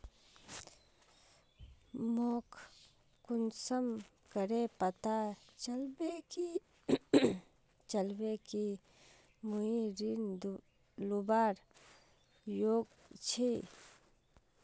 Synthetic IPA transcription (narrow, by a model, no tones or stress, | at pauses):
mokʰ | kʊnsəm | kəɾepət̪at͡ʃəlbeki | t͡ʃəlbeki | muiɾin | lubaːɾ | joːɡ | t͡ʃʰi